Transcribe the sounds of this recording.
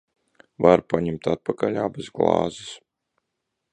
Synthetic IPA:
vaɾpaɲɛmt̪at̪̚pakaʎaːbezɡlˠɑ̰ːzis

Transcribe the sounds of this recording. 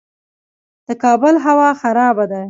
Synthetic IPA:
d̪̥əkɑbəlɦawɑxaɾɑbad̪a

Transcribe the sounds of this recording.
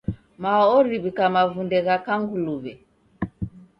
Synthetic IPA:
maɔɾiβikamavundɛɣakaŋɡuluβɛ

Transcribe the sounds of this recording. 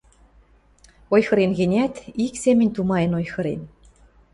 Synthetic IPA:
ojxɤ̆ɾenɣĕnʲæt̪iksemʲɘ̆nʲt̪umɑjɤ̆nojxɤ̆ɾḛn

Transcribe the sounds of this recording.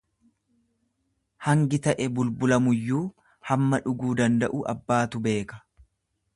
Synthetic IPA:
hɐŋɡɪt̪ɐʔɛbʊlbʊlɐmʊjːuː | hɐmːɐᶑʊɡuːd̪ɐnd̪ɐʔuʔɐ̰bːaːt̪ʊbe̞ːkɐ̥

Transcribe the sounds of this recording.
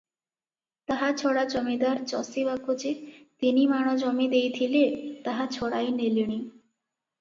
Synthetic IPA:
t̪aɦat͡ɕʰɔɽad͡ʑɔmid̪aɾt͡ɕɔsibakod͡ʑet̪inimaɽ̃ɔd͡ʑɔmid̪ejt̪ʰilet̪aɦat͡ɕʰɔɽajneliɽ̃i

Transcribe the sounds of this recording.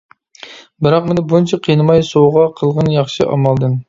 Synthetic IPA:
bɪɾɑqmɪnɪbunt͡ʃʰɛqʰinɨmɑjsoʁɑqʰəlˠʁənjɑχʃɨ̰ʔɑ̰mɑlˠd̪ɨm

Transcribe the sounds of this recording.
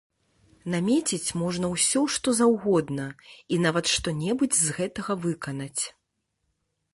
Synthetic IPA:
namʲɛt͡sʲit͡sʲmɔʐnɐwsʲɔʂt̪ɔzawɣɔd̪nɐinavɐt̪ʂt̪ɔnʲɛbud͡zʲzɣɛt̪ɐɣɐvɨkɐnɐt͡sʲ

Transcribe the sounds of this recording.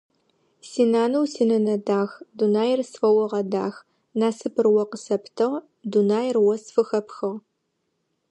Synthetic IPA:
siːnaːnɐwsiːnɐnɐdaːxdunaːjɪrsfɐwɔʁɐda̰ːx | naːsɨpʰɨrwɐqəsɐptʰɨʁ | dunaːjɪrwɔsfɨxɐpxɨʁ

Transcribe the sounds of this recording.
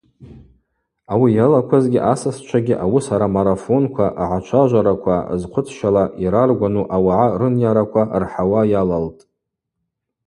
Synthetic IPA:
awijalakʷʰazɡʲiʔasast͡ʃʷʰaɡʲiʔawusaɾamaɾafo̞nkʷʰaʔaʕat͡ʃʷʰaʒʷaɾakʷʰa̰zqʷʰʊt͡sʰʃalaʔiɾarɡʷanuʔawaʕarɨnjaɾakʷʰarħawajalaltʼ

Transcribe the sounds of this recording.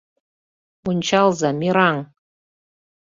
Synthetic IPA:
unʲt͡ɕɑlˠzɑmiɾɑŋ

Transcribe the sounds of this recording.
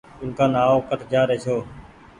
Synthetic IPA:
ʊnkaːnaːoːkəʈ̪ʰd͡ʒaːɾeːt͡ʃʰoː

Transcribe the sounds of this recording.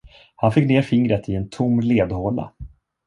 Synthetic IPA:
hanfɪkːneːɾfɪŋɾət̪ʰɪɛnt̪ʰʊmːleːd̪hoːɳa̰

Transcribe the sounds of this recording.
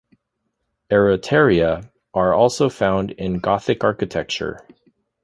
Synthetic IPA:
ɛɹɨtʰɛɹiɨ | ʔə˞ɔlˠsoʊfãʊ̃ndɪ̃nɡɑθɨkɑɹkɨtʰɛk̚t͡ʃə̰˞

